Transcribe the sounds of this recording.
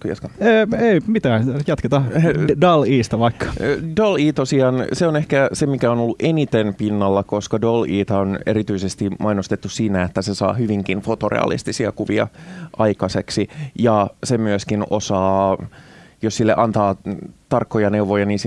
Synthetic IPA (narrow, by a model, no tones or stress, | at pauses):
t̪ujɑskɑːeimit̪æːjɑt̪ket̪ɑdɑliːst̪ɑʋɑikʰːɑ̥doliːt̪osiɑːnseonehkæsemikæonolːuʔenit̪enpinːɑlːɑko̞skɑdoliːt̪ɑoneɾit̪yisest̪imʔɑinost̪et̪ːussiːnæet̪ːæsesɑ̰ːhyʋiŋkinfot̪orḛɑ̰lḭst̪isiɑ̰kuʋiɑ̰ʔɑikɑseksijɑsemyøskino̰sɑː | jossilːeʔɑnt̪ɑːt̪ɑrkːojɑneuʋojɑniːns